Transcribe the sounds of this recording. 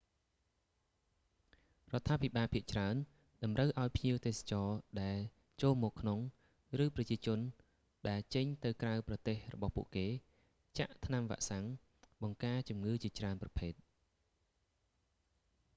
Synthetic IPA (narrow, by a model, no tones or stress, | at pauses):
rŏət̪ʰːaːpʰiɓaːlpʰiəʔt͡ɕraən | ɗɑmrəwʔaɔjpʰɲiəwt̪eːsḁt͡ɕɑːɗaɛl | t͡ɕoːlmɔːkʰnoŋ | rɨːprɑt͡ɕiət͡ɕʊ̆ən | ɗaɛlt͡ɕəɲt̪ɨwkrawprɑt̪eːhrɔɓɑhpṵ̆əʔkeː | t͡ɕa̰ʔt̪ʰnamʋa̰ʔsaŋ | ɓɑŋkaːt͡ɕumŋɨːt͡ɕiət͡ɕraənprɑpʰeːt̪̚